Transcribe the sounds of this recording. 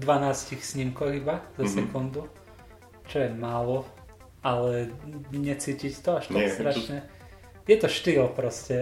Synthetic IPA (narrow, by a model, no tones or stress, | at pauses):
d̪ʋanaːscixsɲimkɔɣibazasɛkund̪u | t͡ʃɔjɛmaːlɔ | alɛɲɛt͡siːcict̪ɔaʃt̪ɔt̪ɾat͡ʃnɛ | jɛt̪ɔʃt̪iːlpɾɔscɛ